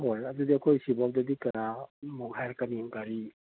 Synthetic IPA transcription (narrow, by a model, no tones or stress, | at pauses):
ɦojɐdudiɐkʰojsibɔk̚dɐdikɐɾamuk̚hajɾkaniŋɡaɾi